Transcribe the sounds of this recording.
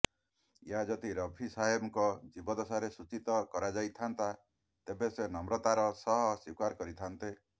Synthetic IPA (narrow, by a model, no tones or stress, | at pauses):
jad͡ʒɔt̪iɾɔbʱisajɔbɔkɔd͡ʒibɔd̪ɔsaɾesut͡ʃit̪ɔkɔɾad͡ʒajt̪ʰant̪a | t̪ebesenɔmɾɔt̪aɾɔsɔɦɔsikaɾkɔɾit̪ʰant̪e